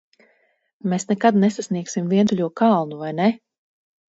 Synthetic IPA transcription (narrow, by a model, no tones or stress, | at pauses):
mesnɛkad̪nɛsasniɛksimviɛt̪uʎʲuɔkalˠnuvajnɛ